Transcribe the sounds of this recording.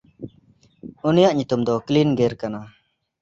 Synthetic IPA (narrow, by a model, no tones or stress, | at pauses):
unijaʔɲut̪umd̪ɔklinɡeɾkana